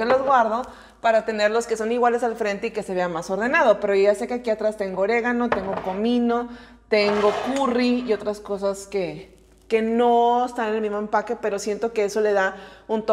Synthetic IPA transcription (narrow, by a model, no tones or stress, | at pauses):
kelozɣwaɾðo̞ | paɾat̪e̞ne̞ɾlo̞ske̞so̞niɣwale̞salfɾe̞nt̪e̞ike̞se̞βe̞amaso̞ɾðe̞nað̞o̞pe̞ɾoʝase̞ke̞akiat̪ɾast̪e̞ŋɡoɾe̞ɣ̞ano̞t̪e̞ŋɡo̞ko̞mĩno̞ | t̪e̞ŋɡo̞kuriːo̞t̪ɾasko̞saske̞ | ke̞no̞est̪anenelmizmoe̞mpake̞pe̞ɾo̞sje̞nt̪o̞ke̞eso̞le̞ðaunt̪o